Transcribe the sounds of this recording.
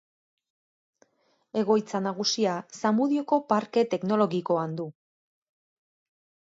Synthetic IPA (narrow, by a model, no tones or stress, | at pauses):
e̞ɣ̞o̞jt͡sanaɣ̞usiasamuðio̞ko̞paɾke̞t̪e̞kno̞lo̞ɣiko̞and̪u